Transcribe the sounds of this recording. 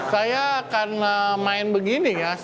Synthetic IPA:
sajakarnamaɪnbəɡinija

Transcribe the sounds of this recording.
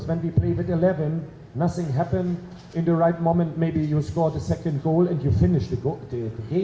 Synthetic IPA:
zwə̃nwipʰl̥eɪvɨtɨlɛvɨ̃nː | ʌθɪ̃ŋɦæpɨ̃nd | ɪ̃nðəɹaɪt̚mõʊ̃mə̃nt̚meɪbijɨskɔɹðəsɛkɨ̃nd̚ɡoʊlˠɨ̃njɨfɪnɪʃðɨðɨðəɡẽɪ̃

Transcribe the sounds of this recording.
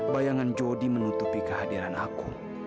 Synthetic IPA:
bajaŋand͡ʒodimənut̪upikəɦadiɾanaku

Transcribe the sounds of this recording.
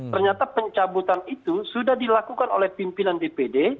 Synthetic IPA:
t̪ərɲat̪apəɲt͡ʃabut̪anit̪usudahdilakukano̰lɛhpimpinandepede

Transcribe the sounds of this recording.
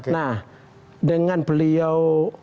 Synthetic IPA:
knah | dəŋanpəliaw

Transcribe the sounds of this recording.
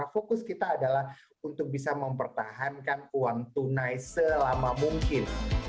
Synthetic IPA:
afokʊskit̪aːdalah | unt̪ʊk̚bisaməmpərt̪aɦankanuwaŋt̪unajsəlamamuŋkɪn

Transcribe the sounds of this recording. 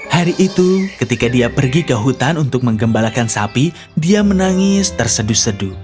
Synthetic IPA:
haɾiʔːt̪ukət̪ikadiapərɡikəɦut̪anunt̪ʊk̚məŋɡəmbalakansapi | diamənaŋɪst̪ərsədusədʊ

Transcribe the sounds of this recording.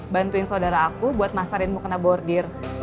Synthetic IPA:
bant̪uɪnsadaɾaːkubuat̪̚masaɾɪnmukənabɔrdɪr

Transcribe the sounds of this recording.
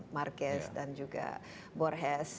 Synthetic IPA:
markɛsdand͡ʒuɡa̰ | bɔɾɦɛs

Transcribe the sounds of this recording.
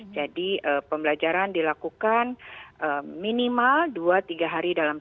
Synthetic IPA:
d͡ʒadiəpəmbəlad͡ʒaɾandilakukanʔəminimalduat̪iɡaɦaɾidalam

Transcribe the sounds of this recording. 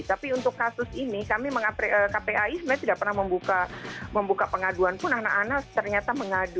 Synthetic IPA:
t̪apiunt̪ʊkːasʊsinikamiməŋapeʔəkapeaismaɲat̪idaʔpərnahməmbukaməmbukapəŋaduanpʊnanaʔanast̪ərɲat̪aməŋadu

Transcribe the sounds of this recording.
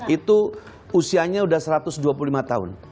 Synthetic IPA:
it̪uː | siaɲaudahsəɾat̪ʊsduap̬ulolimat̪aɦʊ̰n

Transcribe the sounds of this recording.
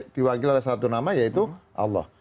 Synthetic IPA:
t̪iwakilalɛsat̪unamajait̪uʔɑ̰lːɑ̰h

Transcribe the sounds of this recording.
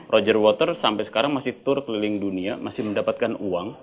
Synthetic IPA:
rʔod͡ʒərwɔt̪ərsampajsə̥kaɾaŋmasɪht̪ʊrkəlilɪŋduniamasɪhməndapat̪̚kanuaŋ

